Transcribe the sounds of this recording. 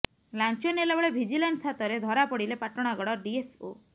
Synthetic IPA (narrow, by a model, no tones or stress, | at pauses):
lant͡ʃɔnelebɔɭebʱid͡ʒilansat̪ɔɾed̪ʱɔɾapɔɽilepaʈɔɽ̃aɡɔɽɔɖiepʰo̰